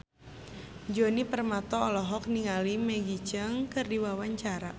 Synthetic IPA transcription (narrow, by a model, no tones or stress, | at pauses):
d͡ʒonipərmat̪ɔɔlɔɦɔk̚niŋalimɛɡit͡ʃəŋkɨrdiwawaɲt͡ʃaɾa